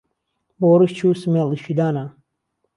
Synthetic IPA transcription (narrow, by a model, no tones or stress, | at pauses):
boːɾiʃt͡ʃʰuːsmeliʃid̪aːna